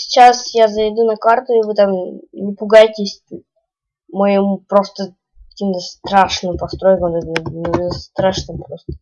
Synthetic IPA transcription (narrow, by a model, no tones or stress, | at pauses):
sʲɪ̥t͡ɕasjazɐjd̪unɐkart̪ʊɪvɨt̪amnʲɪpʊɡajtʲɪsʲ | mɐjɪmupɾo̞st̪ə | kkɐkʲimt̪əst̪ɾaʂnɨmpɐst̪ɾojkəmt̪ɛt̪nnst̪ɾaʂnɨmpɾost̪ə̥